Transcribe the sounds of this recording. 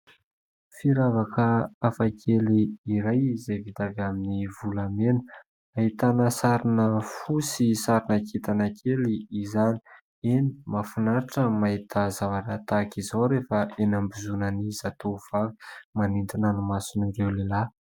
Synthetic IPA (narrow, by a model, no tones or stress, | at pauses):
fiɾavakʰəafakʰeliːɾajizevit̪avaminivulamenə | aɦit̪anəsaɾinəfusisaɾinəkit̪anakʰeliːzani̥ | eni̥mafunaɾaʈ͡ʂəmaɦit̪ʰəzavaɾat̪akizawɾefaenambizunənizat̪ov̥avi̥manint̪inanumasinirewlela